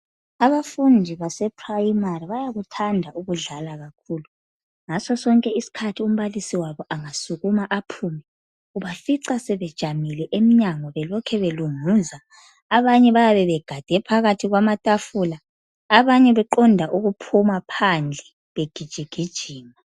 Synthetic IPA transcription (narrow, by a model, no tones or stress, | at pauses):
aβafundʱiβasɛpʰrajimariβajaɣutʰandʱaʔuɣuɮalaɣakʰuːlu | ŋasɔsɔŋkʼɛisi̥kʰatʰium̩βalisiwaβɔʔaŋasuɣumaʔapʰuːmɛ | uβafiǀasɛβɛd̥ʒ̥ʱamilɛʔemiɲaŋɔβɛlɔkʰɛβeluŋuːzaː | βaɲɛβajaβɛβɛɡ̥ʱad̥ʱɛpʰaɣatʰiɣwamatʼafulaː | βaɲɛβɛǃɔndʱaʔuɣupʰumapʰand͡ɮʱɛ | βeɡ̥ʱid̥ʒ̥ʱiɡ̥ʱid̥ʒ̥ʱiːma